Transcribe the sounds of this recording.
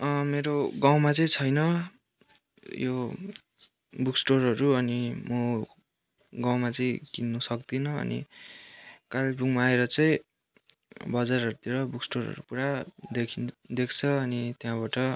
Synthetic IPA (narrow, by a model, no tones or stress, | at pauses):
ʌmeɾoɡaw̃mat͡sʌĩt͡sʰʌjnʌ | jo | buksʈorʌɾuʌnimʌ | ɡawmat͡sʌĩkinːʌsʌk̚d̪inʌʌ̰nḭ | kalbuŋmaːeɾʌt͡sʌĩ | bʌd͡zarʌɾut̪iɾʌbuksʈoɾʌ̰ɾupuɾad̪ekʰind̪ekʰt͡sʰʌʌnit̪jãbaʈʌ